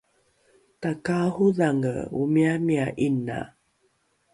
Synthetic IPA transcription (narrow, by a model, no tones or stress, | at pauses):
takahuðaŋə̰umiamiaʔina̰